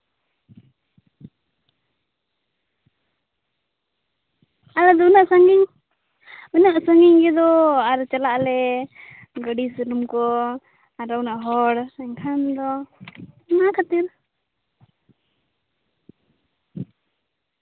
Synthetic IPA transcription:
alad̪ɔunaʔsaŋiŋ | unaʔsəŋɛŋɡɛd̪ɔaɾt͡ʃalaʔlɛ | ɡəɖisəɾumkɔ | aɾaunaʔɦɔɽɛŋkʰand̪ɔ | nakʰat̪iɾ

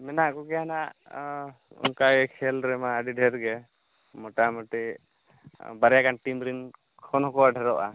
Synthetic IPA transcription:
mɛnaʔkɔɡɛjanaʔ | ṵŋkajɛkʰɛlɾɛmaːɖiɖʱɛɾɡɛ | mɔʈamɔʈi | baɾɛjakanʈimɾin | kʰɔnɦɔkɔaɖʱɛɾɔʔa̰

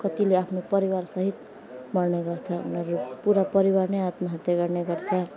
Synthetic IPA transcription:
kʌt̪ileapʰnopʌɾiwaɾsʌɦit̪ | mʌrneɡʌrt͡sʰʌṵnʌɾupuɾapʌɾiwaɾneat̪maɦat̪jaɡʌɾneɡʌɾt͡sʰʌ

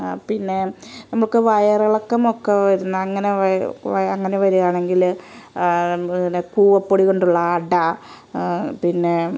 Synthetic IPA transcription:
pinːe̞nɐmːɐɭkɨʋɐjɐrɐɭokːɐmokːeʋɐɾunːɐɐŋːɐneʋɐɐŋːɐneʋɐɾuɣaːɳe̞ŋɡil | nekuːʋɐpːoːɽiko̞ɳɖuɭːɐːɖɐ | pinːe̞

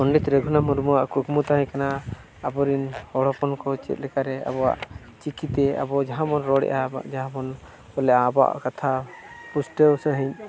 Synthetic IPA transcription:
ɔɳɖit̪ɾəɡʱunamuɾmuwaʔkukmut̪aɦɛ̃kanaː | bɔɾinhɔɽɔpɔnkɔt͡ʃɛ̰t̪̚lɛkaɾɛa̰bɔwa̰ʔ | t͡ʃikit̪ɛa̰bɔd͡ʒaɦãmɔnɾɔɽɛ̰ʔa̰d͡ʒaɦãmɔn | ɔlɛʔaːbɔa̰ʔkat̪ʰapusʈəwsəɦiɲ

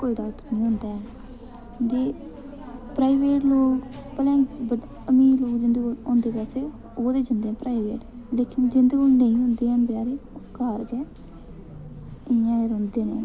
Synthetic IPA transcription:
koːiɖaːt̪ːnĩːɦʊ̃nd̪aːɛː | d̪eː | pɾaːiʋeːʈloːkpəlɛ̃ːɡbə | əmiːloːkd͡ʒɪnd̪eːõːnd̪eːpaːseː | oːd̪eːd͡ʒənd̪eːɛ̃ːpɾaːiʋḛːʈ | leːkɪnd͡ʒɪnd̪eːoːnəĩːɦʊ̃nd̪eːɛ̃ːpjaːɾeːkaːɾɡɛː | ɪãːeɾõːnd̪eːnḛː

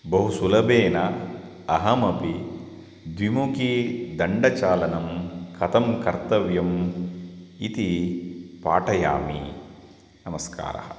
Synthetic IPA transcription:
bɐɦusulɐbeːnɐ | ɐɦɐmɐpi | d̪ʋimukid̪ɐɳɖɐt͡ʃaːlɐnɐmkʰɐt̪ɐmkɐɾt̪ɐʋjɐm | it̪i | pa̰ːʈɐja̰ːmḭ | nɐmɐska̰ːɾɐ̰hɐ̰

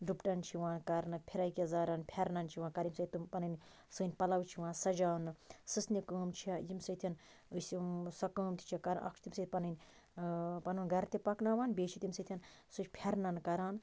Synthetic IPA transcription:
ɖupʈɐnt͡ʃʰiʋaːnkɐɾnɨpʰiɾaːjkʲizaːɾaːnpʰɐɾnɐnt͡ʃʰiʋãːnkɐɾimsɐt̪t̪umpɐnɨnʲ | sɨːnʲpɐlɐwt͡ʃʰiʋaːnsɐd͡ʒaːnɨsɨsnikəːmt͡ʃʰiɐjimsɐt̪ʲʰɐn | ɨsisɐkəːmt̪ʰi̥t͡ʃʰikɐɾ̰ʔɐ̰kʃʰt̪imsɐt̪̚ʲpɐnɨnʲ | pɐnɨnɡɐɾt̪ipɐknaːʋaːnbeːt͡ʃʰit̪ʲimsɐt̪ʰʲjɐnsut͡ʃʲpʰʲɐɾnɐnkɐɾaːn

